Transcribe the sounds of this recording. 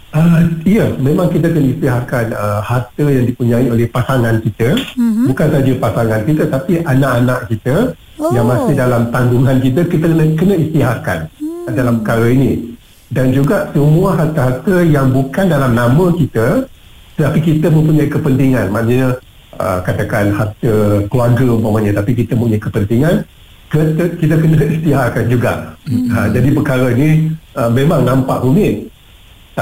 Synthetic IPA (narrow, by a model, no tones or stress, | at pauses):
ʔəijəmẽmãŋkit̪̬əkənəist̪iɦakanəhart̪əjaŋdipuɲãiolɛhpasaŋankit̪əbukansad͡ʒəpasaŋankit̪ət̪apiʔanãʔanaʔkit̪ə | jaŋmãsɪhdalamt̪anduŋankit̪̬əkit̪əkənəkənə̃ist̪iɦaka̰ndalampəkaɾəinĩ | dand͡ʒuɡaʔsəmũaɦart̪əɦart̪əjaŋbukandalamnãmə̃kit̪ə | t̪ət̪apikit̪əmə̃mpuɲajkəpənt̪iŋãnmãnəɲə | ə̰kat̪akanhart̪əkluarɡəumpamaɲə̃t̪apikit̪əmə̃mpuɲajkəpənt̪iŋan | kət̪əkit̪əkənəist̪iɦakand͡ʒuɡa̰ʔəd͡ʒadipəkaɾəinĩəmemãŋnãmpaʔhumɪt | t̪a